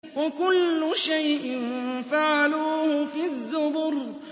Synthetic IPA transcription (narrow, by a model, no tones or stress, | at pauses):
wakʊlːʊʃajʔɪnfaʕaluːhʊfiðːʊbʊɾ